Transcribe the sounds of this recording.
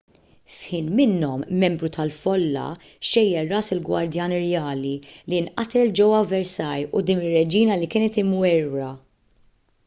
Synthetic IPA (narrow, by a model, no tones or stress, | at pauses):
fħiːnmɪnːɔmːɛmbɾut̪ɐlfɔlːɐ̰ | ʃɛjːɛrːɐːsɪlɡwɐ̰ɾd̪jɐːnɪɾjɐːlilinʔɐt̪ɛld͡ʒɛwːɐvɛɾsɐjud̪iːnɪrːɛd͡ʒiːnɐlikɪːnɛt̪ɪmwɛɾːɐ